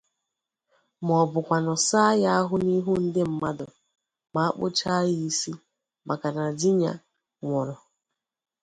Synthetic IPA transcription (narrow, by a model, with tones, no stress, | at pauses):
m˨ɔ˨bʊ˨kʷa˨nɔ˨sa˦ja˦a˦ɦʊ˦ni˦ɦu˦n̩˦dɪ˦m̩˦ma˦dʊ˨ | ma˨a˦k͡pʊ̰˦t͡ʃa˦jɪ˦i˦si˦ | ma˨ka˨na˨dɪ˦ɲa̰˦ | ŋʷɔ˨ɾɔ˨